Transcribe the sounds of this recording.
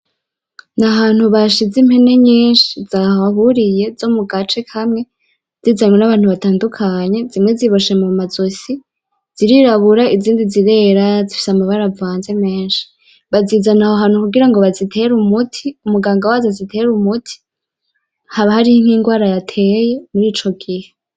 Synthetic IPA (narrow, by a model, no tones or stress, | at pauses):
naɦaːnhuβaʃizimhe̞ne̞ɲiːnʃizahoaɦuɾije̞zo̞muɡat͡ʃe̞kʰamŋe̞ | z̥izamŋwenaβaːnhuβataːndukʰaɲe̞zimŋe̞ziβoʃe̞mumazosi | z̥iɾiɾaβuɾaʔiziːndiziɾe̞ɾazifi̥samaβaɾavaːnze̞me̞ːnʃi̥ | βazizanahoɦanukuɡiɾaŋɡo̞βazitʰe̞ɾumutʰiumuɡaːŋɡawazezitʰe̞ɾumutʰi̥ | haβahaɾihiŋ̥hiːŋɡwaːɾajatʰe̞je̞muɾiːt͡ʃo̞ɡihe